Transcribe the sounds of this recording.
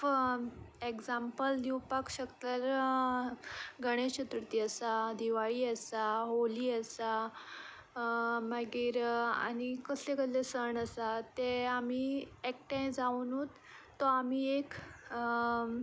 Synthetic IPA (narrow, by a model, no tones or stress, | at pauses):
ekd͡zampəld̪iwpakɕəkt̪aɾ | ɡəɽ̃eɕət̪ɾət̪iːəsad̪iʋaɭiːəsaɦoliːəsa | maɡiːɾa̰ñikəslekəd̪lesəɳəsat̪eam̤iek̚ʈãjd͡zaunut̪ː | ɔamiek